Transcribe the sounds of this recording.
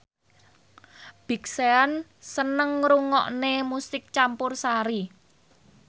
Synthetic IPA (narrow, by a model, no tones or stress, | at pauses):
b̥i̤ksean | sənəŋɾuŋɔ̰ʔnemusɪk̚t͡ʃampʊrsaɾi